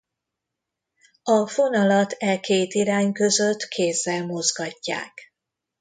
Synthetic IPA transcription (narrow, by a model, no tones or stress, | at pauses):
ɒfo̞nɒlɒt̪ɛkeːt̪iɾaːɲkø̞zø̞t̪kʰeːzːɛlmo̞zɡɒcːa̰ːk